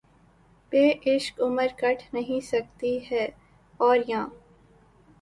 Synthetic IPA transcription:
peːʔɪʃkʊməɾkɐʈʰnɐɦĩsɐk̚t̪iɦɛː | ɔːɾjãː

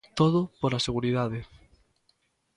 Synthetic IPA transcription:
t̪oðʊpoɾaseɣuɾiðaðɪ

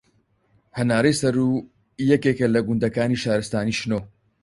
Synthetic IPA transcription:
hɐnaːɾɐjsɐɾu | jɛkekɐlɐɡʊnd̪ɐkaːniʃaːɾɨst̪aːniːʃnoː

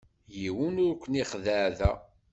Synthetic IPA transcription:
jiwunʊɾkʷʰːəniχðəʕðæ

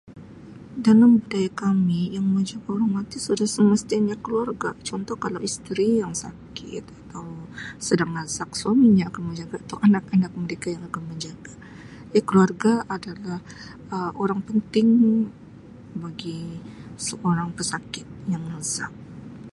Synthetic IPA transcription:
dalambudajakamijaŋməɲd͡ʒaɡaoɾaŋmat̪isudahsəməst̪iaɲakəluarɡat͡ʃɔnt̪ɔhkalawist̪ɾijaŋsakɪ̰t̪̚at̪awsədaŋlasak̚swamiɲaːkanməɲd͡ʒaɡait̪awʔanak̚anak̚məɾekajaŋakanməɲd͡ʒaɡa | jakəluarɡaʔadalah | əʔoɾaŋpənt̪ɪŋ | baɡisəʔoɾaŋpəsakɪt̪̚jaŋnasak̚

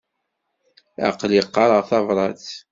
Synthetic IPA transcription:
æ̰qliqːɑɾˤəʁθɑvɾˤɑθ

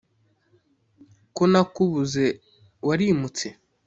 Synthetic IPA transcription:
konakuβuze | waɾimut͡se

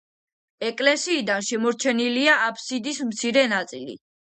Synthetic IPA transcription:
ɛkʼlɛsiːd̪anʃɛmɔɾt͡ʃʰɛniliaapʰsid̪ismt̪sʰiɾɛnat̪sʼilḭ

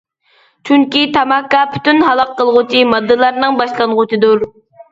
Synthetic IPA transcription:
t͡ʃʰyŋkʲit̪ʰɑmɑkːɑpʰy̥t̪ynɦɑlˠəqːəlˠʁʊt͡ʃʰimɑd̪ːɨlˠɑɾnɨŋbɑʃlˠɑnʁʊt͡ʃʰid̪uɾ

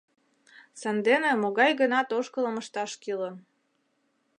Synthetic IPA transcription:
sɑnd̪enĕmoɣɑjɡə̆nɑt̪oʃkə̆lə̆məʃt̪ɑʃkilə̆

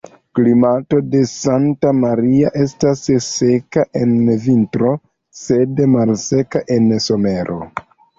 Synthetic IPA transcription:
klimato̞de̞santamaɾiaʔe̞stasse̞kaʔe̞nvintɾo̞ | se̞dmalse̞kaʔe̞nso̞me̞ɾʔo̞̰

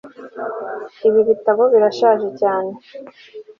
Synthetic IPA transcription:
iβiβitaβo̞βiɾaʃaːʒecaːne̞

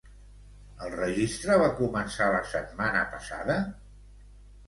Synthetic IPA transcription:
əlˠrəʒist̪ɾəβakumənsaləsət̪manə̰pəsa̰ðə

